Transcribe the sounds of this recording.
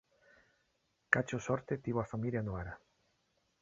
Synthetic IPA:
kat͡ʃosɔɾt̪et̪iβoafamiljanoaɾa

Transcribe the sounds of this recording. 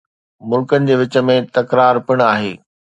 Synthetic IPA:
mʊlkənɪ̆d͡ʑeːʋɪt͡ɕə̆mẽt̪ɐkɾaːɾpɪɽ̃aːɦḛː

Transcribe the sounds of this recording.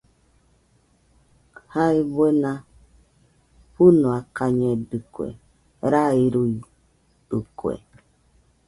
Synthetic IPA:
haibena | ɸunuakaɲedɨkʷḛ | ɾaiɾui | dukʷḛ

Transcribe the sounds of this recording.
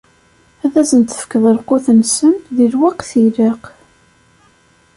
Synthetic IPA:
æðæzənt̪ə̥fkəðˤəlqʊθənsənðilwɑqθiɾeq

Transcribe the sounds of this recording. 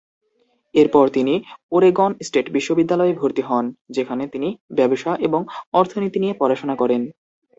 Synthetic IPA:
eɾpɔɾt̪inioɾeɡɔnsʈeʈbiʃːobid̪ːalɔebʱoɾt̪iɦɔnd͡ʑekʰanet̪inibɛboʃaʔeboŋɔɾt̪ʰonit̪inijepɔɾaʃonakɔɾen

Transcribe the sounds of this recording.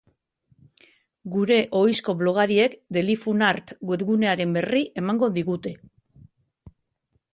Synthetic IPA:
ɡuɾe̞ʔo̞jsko̞βlo̞ɣ̞aɾie̞kd̪e̞lifunaɾt̪ɡwe̞ðɣune̞aɾe̞mbe̞riʔe̞maŋɡo̞ðiɣut̪e̞

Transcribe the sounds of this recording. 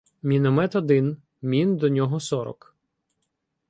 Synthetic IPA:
mʲinɔmɛt̪ɔd̪ɪn | mʲind̪ɔnʲɔɦɔsɔɾɔ̰k

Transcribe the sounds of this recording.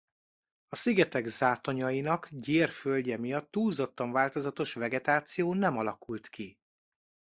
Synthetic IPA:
ɒsiɡɛt̪ɛɡzaːt̪o̞ɲɒjinɒkɟeːrfølɟɛmijɒt̪ːuːzot̪ːɒɱvaːlt̪o̞zɒt̪o̞ʃvɛɡɛt̪aːt̪sijoːnɛmɒlɒkult̪ki

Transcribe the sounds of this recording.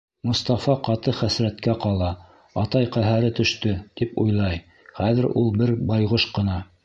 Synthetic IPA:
mŏst̪ɑfɑqɑt̪ɤχæsɾæt̪kæqɑlˠɑ | ɑt̪ɑjqæɦæɾɘt̪ɵ̆ʃt̪ɵt̪ipṵjlˠɑj | χæðɘɾulˠbɘɾbɑjʁoʃqɤ̆nɑ

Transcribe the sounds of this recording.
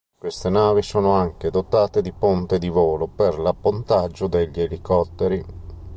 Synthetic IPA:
kwest̪enaːvisoːnoaŋk̟ed̪ot̪aːt̪ed̪ipont̪ed̪ivoːloperlapːont̪ad͡ʒːod̪eʎːielikɔt̪ːeɾi

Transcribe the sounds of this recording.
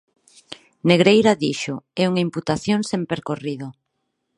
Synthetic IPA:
neɣɾejɾaðiʃoɛuŋaimput̪aθjoŋsempeɾkoriðo

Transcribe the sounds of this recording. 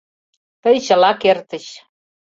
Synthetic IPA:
t̪əjt͡ɕə̆lɑkert̪ə̆ɕ

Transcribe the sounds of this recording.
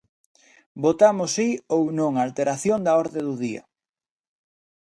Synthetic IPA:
bot̪amʊsiownõŋaːlt̪eɾaθjoŋd̪ɐɔɾðeðʊðiɐ̰

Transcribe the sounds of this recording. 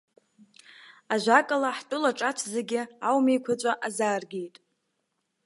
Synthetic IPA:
aʒʷakʼalaħtʷʼʊlaʈ͡ʂʼat͡ʃʷʰzɨɡʲɪawmejkʷʰat͡ʃʷʼaʔazaːrɡʲejtʼ

